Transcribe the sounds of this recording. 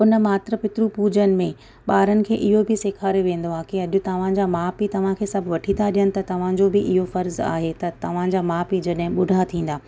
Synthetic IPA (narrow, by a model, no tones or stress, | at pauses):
ʊnəmaːt̪ɾəpɪt̪ɾupuːd͡ʑənɪ̆mẽ | ɓaːɾənɪ̆kʰeːʔɪɦobʱɪseːkʰaːɾjoʋẽːnd̪oaːkeɐʄʊt̪ɐʋ̤ãd͡ʑaːmaːpit̪ɐʋ̤ãkʰeːsɐbʱʋɐʈʰĩaɗijənɪ̆t̪ɐt̪ɐʋ̤ãd͡ʑoːbɪʔɪɦofɐɾza̰ːɦet̪ɐt̪ɐʋ̤ãd͡ʑaːmaːpid͡ʑɐɗɦɪ̃ɓʊɖʱat̪ʰĩːn̆d̪aː